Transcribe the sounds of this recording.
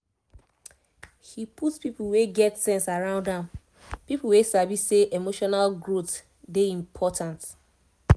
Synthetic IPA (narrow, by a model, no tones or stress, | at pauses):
hipʰutspipl̩weɡɛtsɛ̃nsaɹãʊ̃ndãm | pipl̩wesabisseʔemoʃɔnalɡɹot | deĩmpʰɔtʰãnt